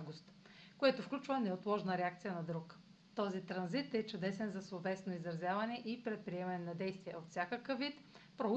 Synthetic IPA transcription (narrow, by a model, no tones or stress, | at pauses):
ɡʊst̪koɛt̪ofklʲut͡ʃvɐnɛot̪lˠɔʒnəɾɛakt̪sijənɐd̪ɾuk | t̪ɔzit̪ɾɐnzit̪ɛt͡ʃʊd̪ɛsɛnzɐsvˠovɛsnoizɾɐzʲjavɐnɛʔipɾɛt̪̚pɾiɛmɐnɛnɐd̪ɛjst̪viɛot̪fsʲakəkəvːit̪pɾo